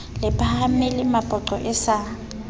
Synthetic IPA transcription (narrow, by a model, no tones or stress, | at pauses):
lɪpʼaham̩mɛlɪmapʼɔǃɔʔɪsa